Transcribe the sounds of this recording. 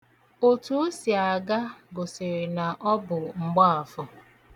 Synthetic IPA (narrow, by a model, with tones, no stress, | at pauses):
o˨tu˦o˦si˨a˨ɡa˦ɡo˨se˨ɾe˨na˨ʔɔ˦bʊ˨ŋ͡m̩˨ɡ͡bɔ˦a˨fʊ˨